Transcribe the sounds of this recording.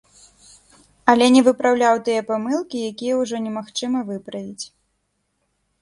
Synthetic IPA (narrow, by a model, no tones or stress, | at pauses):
ɐlʲɛnʲɛvɨpɾawlʲawt̪ɨjɛpamɨlˠkʲijakʲijɛuʐɔnʲɛmaxt͡ʂɨmɐvɨpɾɐvʲit͡sʲ